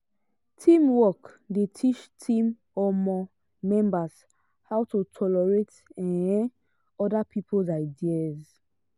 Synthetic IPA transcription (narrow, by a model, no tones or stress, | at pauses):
tʰĩmwɔk | detʰit͡ʃtʰĩm | ɔmɔ | mɛ̃mbas | hawtutʰɔlɛɹet | ɛ̃ɛ̃ | ɔdapʰipʰolzaɪdiaz